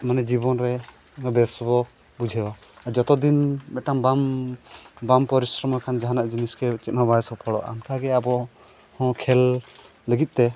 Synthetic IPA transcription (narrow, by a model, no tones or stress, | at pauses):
manɛd͡ʒibɔnɾɛ | bɛsbɔ | bud͡ʒʱɛjɔ | ad͡ʒɔt̪ɔd̪inbɛʈaŋbam | bampɔɾisɾɔmakʰand͡ʒaɦanaʔd͡ʒiniskɛt͡ʃɛt̪̚ˀnabajɛsɔpʰɔɽɔ̰ʔa̰nkʰaɡɛabɔ | hɔ̃kʰɛl | ləɡit̪̚ˀt̪ɛ